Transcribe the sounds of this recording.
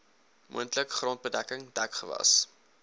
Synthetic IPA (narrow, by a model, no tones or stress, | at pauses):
mṵəntləkχrɑnt̚bədækəŋdækχəvɐ̰s